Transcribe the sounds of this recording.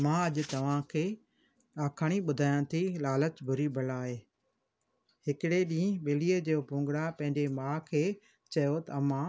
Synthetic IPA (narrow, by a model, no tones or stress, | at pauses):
mãːɐʄʊt̪ɐʋ̤ãkʰeː | ɗaːkʰaːɽ̃iɓʊd̪ʱaːjãːt̪ʰilaːlət͡ɕbʱʊɾibʱɐlaːɦeː | hɪkɪɽeɗĩːɓeːliːed͡ʑeːopũːŋɡɽapɐ̃ɦɪ̃ɲd͡ʑemãːkʰeː | t͡ɕɐjot̪ɐɐmãː